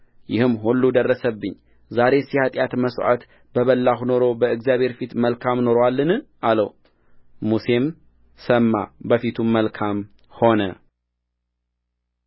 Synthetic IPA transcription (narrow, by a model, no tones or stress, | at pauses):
jɪhɨmːhulːud̪ərːəsəbːɨɲː | zaɾe̞sjhat̪ʼjat̪məswʔa̰t̪ | bəβəlːahuno̞ɾo̞bəɨɡzjaβhe̞ɾfit̪məlkʰamno̞ɾwalːɨnɨʔaləw | muse̞m | səmːa̰bəfit̪ʰumːəlkʰam | ho̞nə